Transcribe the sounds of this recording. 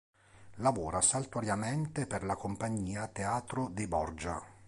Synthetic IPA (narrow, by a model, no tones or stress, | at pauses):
lavoːɾasalt̪aɾjament̪eperlakompaɲːiːat̪eaːt̪ɾod̪ibɔrd͡ʒa̰